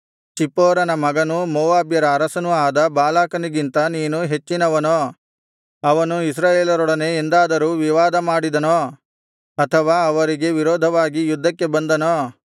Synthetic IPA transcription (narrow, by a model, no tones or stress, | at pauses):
t͡ʃipɔːɾɐnɐmɐɡɐnumɔːʋaːbjɐɾɐːɾɐsɐnuaːd̪ɐbaːlaːkɐniɡint̪ɐniːnuɦe̞t͡ʃːinɐʋɐnoː | ɐʋɐnuis̬ɾaːjeːlɐɾɔɽɐne̞end̪aːd̪ɐɾuːʋiʋaːd̪ɐmaːɽid̪ɐnoː | ɐt̪ʰɐʋaːɐʋɐɾiɡe̞ʋiɾɔːd̪ʱɐʋaːɡijud̪ʱːɐkːe̞bɐnd̪ɐno